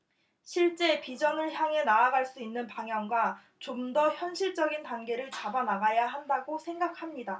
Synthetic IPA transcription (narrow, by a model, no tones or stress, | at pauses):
ɕʰiɭt͡ɕ͈e̞pid͡ʑʌnɯɭçjaŋe̞naːɡaɭs͈uinːɯnpaŋɦjʌŋɡwa | t͡ɕomdʌçjʌnɕʰiɭt͡ɕ͈ʌɡintanɡe̞ɾɯɭt͡ɕabanaɡajaɦandaɡosʰe̞ŋɡak̚ʰamɲida